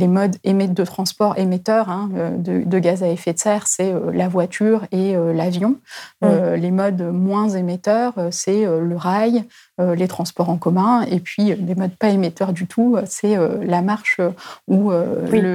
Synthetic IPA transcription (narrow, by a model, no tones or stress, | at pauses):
lemɔd̪emed̪ət̪χɑ̃spɔʁemet̪œʁɛ̃ød̪ə̰d̪əɡazaefet̪sɛʁsɛølavwat̪ʰyʁeølavjɔ̃ølemɔd̪mwɛ̃zemet̪œʁøsɛøləʁaj | ølet̪χɑ̃spɔʁɑ̃kɔmɛ̃epɥiød̪emɔd̪paemet̪œʁd̪yt̪ʰuøsɛølamaʁʃøuølə